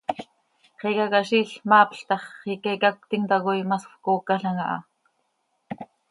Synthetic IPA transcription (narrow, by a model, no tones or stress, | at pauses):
χikakaʃiːɬmɑːpɬt̪ɑχːikekak̚t̪iŋt̪ɑɣojmasxkoːkːaɬɑŋɑʔɑ̰